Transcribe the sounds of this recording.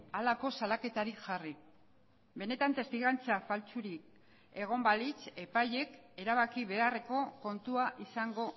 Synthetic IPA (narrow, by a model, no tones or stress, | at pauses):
alako̞salake̞t̪aɾiʝari | be̞ne̞t̪ant̪e̞st̪iɣant͡safalt͡suɾik̚ | e̞ɣ̞o̞mbalit͡se̞paje̞ke̞ɾaβakiβe̞areko̞ko̞nt̪uaʔisaŋɡo̞